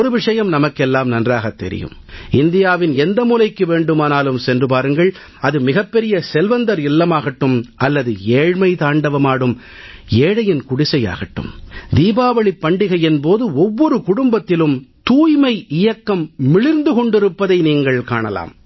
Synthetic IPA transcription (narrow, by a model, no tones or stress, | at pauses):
ɔɾɯʋɪʂɐjɐmnɐmɐkːɛlːaːmnɐndraːɣɐt̪ːɛ̰ɾɪ̰jɯ̰mɪnd̪ɪjaːʋɪnɛnd̪ɐmuːlɐɪkːɯʋeːɳɖɯmaːnaːlɯmsɛndrɯpaːɾɯŋɡɐɭ | ɐðɯmɪɣɐpːɛɾɪjɐsɛlʋɐnd̪ɐɾɪlːɐmaːɣɐʈːɯmʔɐlːɐðɯeːɻmɐɪt̪aːɳɖɐʋɐmaːɽɯm | eːɽɐjɪnkʊɽɪsɐja̰ːɣɐʈːɯ̰md̪iːbaːʋɐɭɪpːɐɳɖɪɣɐjɛnpoːðɯɔʋːɔɾɯkʊɽʊmbɐt̪ːɪlɯmt̪uːjmɐɪʔɪjɐkːɐmːɪɭɪɾnd̪ɯkɔɳɖɪɾɯpːɐðɐɪniːŋɡɐɭkaːɳɐla̰ːm